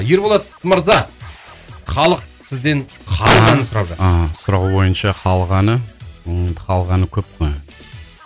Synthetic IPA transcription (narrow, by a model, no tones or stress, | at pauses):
je̞ɾbolˠɑt̪ | məɾzɑ | χɑlˠəq̚sɪzd̪e̞n | χʰɑlˠɑnəsʊɾɑbʒɑt̪sʊɾɑʁuwo̞jənʃɑqʰɑlˠʁɑnə | qʰɑlˠʁɑnəkʲʰɵp̚qoj